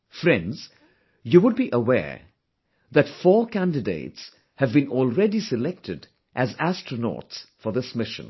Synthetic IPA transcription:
fɾɛ̃ndz̥ | juwʊd̚biʔəwɛ̰ɹ | ðɨtfɔːkʰæ̃ndɨdḛɪts | hɨvbĩnɔlˠɹɛdisɨlɛk̚tʰɨd | ʔæzæstɹənɔ̰ːtsfəðɪsmɪʃə̰̃n

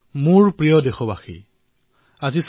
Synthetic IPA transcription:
muɹpɹijɔdexɔbaxḭ | azis

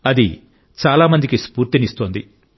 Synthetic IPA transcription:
ɐd̪ḭ | t͡ʃaːlaːmɐnd̪ikispuːɾt̪inist̪ond̪i

